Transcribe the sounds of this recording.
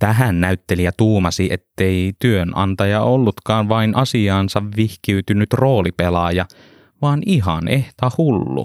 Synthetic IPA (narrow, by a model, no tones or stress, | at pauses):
t̪æɦænːæyt̪ːelijɑt̪uːmɑsiʔet̪ːeit̪yønɑ̰nt̪ɑjɑolːut̪kɑːnʋɑinʔɑsiɑːnsɑʋʋihkiyt̪ynyt̪ro̞ːlipelɑjɑ | ʋɑːniɦɑneht̪ɑhulːṵ